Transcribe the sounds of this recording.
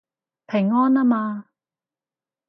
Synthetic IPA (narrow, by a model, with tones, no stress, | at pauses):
pʰe˨˩ŋːɔː˥naː˦˥maː˧